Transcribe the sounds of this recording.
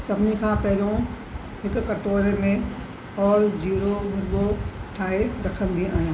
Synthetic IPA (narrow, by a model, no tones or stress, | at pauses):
sɐbnikʰãpɛɦlõ | ɦɪkːɐʈoːɾemẽ | ɔːɾd͡ʒiːɾobʱʊɾboʈʰaːeɾɐkʰə̃nɡ̪ĩaːjãː